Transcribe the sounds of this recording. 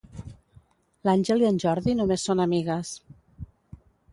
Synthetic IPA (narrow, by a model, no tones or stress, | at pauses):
lanʲʒəlˠiənʲʒɔɾðinumesːonəmiɣəs